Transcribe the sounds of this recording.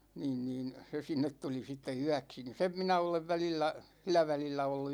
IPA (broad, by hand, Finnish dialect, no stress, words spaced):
niːn niːn se sinːet tuli sitːe yæksi ni sem minæ oleʋ ʋælilːæ silˑæ ʋælilːæ olːu